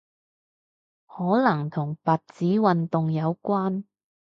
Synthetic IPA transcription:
hɔː˨˥lɐ˨˩ŋt̪ʰʊ˨˩ŋpaː˨t̚t͡siː˨˥wɐ˨nt̪ʊ˨ŋjɐ˨˧wkʷaː˥n

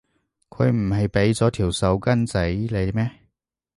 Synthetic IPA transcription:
kʰɵ˨˧ɥm̩˨˩hɐ˨jpe˨˥jt͡sɔː˨˥t̪ʰiː˨˩wsɐ˨˧wkɐ˥nt͡sɐ˨˥jle˨˧mɛː˥˩

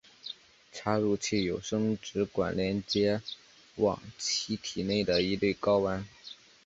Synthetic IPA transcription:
ʈ͡ʂʰa˥ɻu˥˧t͡ɕʰi˥˩jo˨˩ʊʂɤ˥ŋʈ͡ʂɻ̩˧˥kwa̰˨˩nljɛ˧˥nt͡ɕjɛ˥ | wɑ̰˨˩ŋt͡ɕʰi˥t̪ʰi˨˩ne˥˩ɪd̪ə˩i˧˥t̪we˥˩ɪkɑ˥ʊwa˧˥n

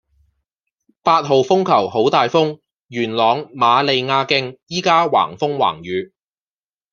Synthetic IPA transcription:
paː˧t̚ɦo˨˧wfʊ˥ŋkʰɐ˨˩wɦo˨˥wt̪aː˨jfʊ˥ŋ | jyː˨˩nlɔː˨˧ŋmaː˨˧le˨˧jŋaː˧kɪ˧˥ŋjiː˥kaː˥wa̰ː˨˩ŋfʊ˥ŋwa̰ː˨˩ŋjyː˨˧

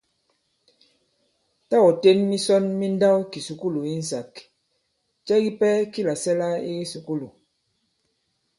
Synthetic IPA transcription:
ta˦wɔ˨te˦nmi˦sɔ˦nmi˦n˦da˦wki˨su˨ku˦lu˨i˦n̩˨sa˨k | t͡ʃɛ˦ɣi˦pɛ˦ki˦la˨sɛ˦la˦e˦su˨ku˦lu˨

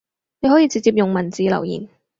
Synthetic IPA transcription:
ne˨˧ɦɔ˨˥jiː˧t͡si˧t͡siː˧p̚jʊ˨ŋmɐ˨˩nt͡siː˨˧lɐ̰˨˩wjḭː˨˩n

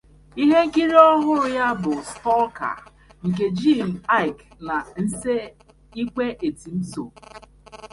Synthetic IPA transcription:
i˦ɦe˦ŋ̩˦ki˦ɾi˦ɔ˦ɦʊ˦ɾʊ˦ja˦bʊ˨stɔ˦ka̰˨ | ŋ̩˨k̬e˨d͡ʒi˦˨m̩˨a˦ɪ˨k | na˨n̩˦se˦ | i˦k͡pe˦ʔe˨ti˨m̩˦so˨

